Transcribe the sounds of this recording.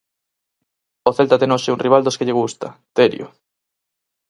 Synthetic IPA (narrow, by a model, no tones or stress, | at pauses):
oθelt̪ɐt̪enoʃɪunriβald̪oskɪʎeɣust̪ɐ̰t̪eɾj̰o̰